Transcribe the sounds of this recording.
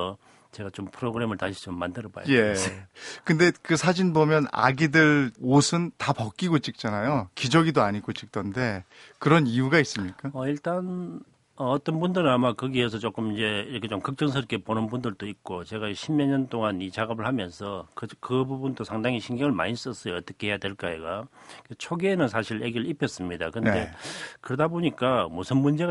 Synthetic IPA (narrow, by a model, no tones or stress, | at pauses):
ʌ | t͡ɕe̞ɡat͡ɕompʰɯɾoɡɯɾe̞mɯɭtaɕʰi̥t͡ɕomːandɯɾʌba̰jje̞ekɯnde̞kɯsʰad͡ʑinbomjʌna̰ɡidɯɭosʰɯntapʌk͈iɡot͡ɕ͈ik̚t͡ɕ͈anajokid͡ʑʌɡidoaɲiɡot͡ɕ͈ik̚t͈ʌnde̞ | kɯɾʌnijuɡais͈ɯmɲik͈aʌiɭt͈an | ʌʌt͈ʌnbundɯɾɯnamakɯɡiesʰʌt͡ɕok͈ɯmind͡ʑe̞iɾʌkʰet͡ɕomkɯk̚t͡ɕ͈ʌŋs̬ʰɯɾkʰe̞ponɯnbundɯɭdoik̚k͈ot͡ɕe̞ɡaɕʰimːeɲʌnt͈oŋanit͡ɕaɡʌbɯɭhamjʌnsʰʌkɯkɯbubundosʰaŋdaŋiɕʰiŋɡeŋɯɭma̰ɲis͈ʌs͈ʌjoʌt͈ʌkʰe̞he̞jadwe̞ɭk͈aeɡaket͡ɕʰoɡienɯnsʰaɕʰiɭeɡiɾɭipʰʌs͈ɯmɲida̰kɯndde̞kɯɾʌdaboɲik͈amusʰɯnmund͡ʑe̞